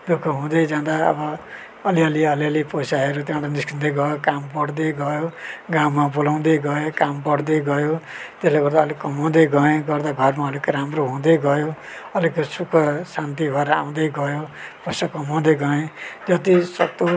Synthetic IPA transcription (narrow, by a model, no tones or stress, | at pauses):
d̪ukʰʌɦũd̪ʌd͡zãd̪aʌ̰bʌː | liʌliʌliʌliposaɦeɾut̪jãw̃ɾaniskʰind̪ejɡʌjokampʌɽd̪ejɡʌjoɡawmːabolaw̃d̪ejɡʌekampʌɽd̪eɡʌjot̪esleɡʌɾd̪aːlikʌmaw̃d̪ejɡʌẽɡʌrd̪aɡʱʌrmaʌlikʌɾamroɦũd̪ejɡʌjo | ʌlikesukʰʌsant̪̬ibʱʌeɾa̰w̃d̪ejɡʌjoposakʌmaw̃d̪ejɡʌẽd͡zʌt̪isʌkt̪o